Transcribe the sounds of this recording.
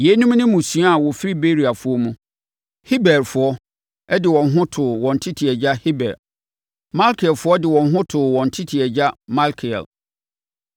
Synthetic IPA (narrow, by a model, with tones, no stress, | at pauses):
je˨˦nũ˦m˦nʊ̃˦mũ˨sɥ̃a˦a˨wɔ˨fɪ˦ɾi˦be˦ɾi˨a˨fʊ˦ɔ˦mũ˦ | hi˦bɛ˨ɾfʊ˨˦ɔ˦ | ɛ˦dɪ˨wɔ̃˨nɦʊ̃˦tʰʊ˨wɔ̃˨n̩˨tʰɪ˦tʰi˨ɛ˨d͡ʑa˦hi˦bɛ̰˨ɾ | mã˦lkʰɪ˨ɛ˨lfʊ˦ɔ˦dɪ˨wɔ̃˨n˦ɦʊ̃˦tʰʊ˨wɔ̃˨n˨tʰɪ˦tʰi˨ɛ˨d͡ʑa˦mã˦lkʰɪ˨ɛ̰˨l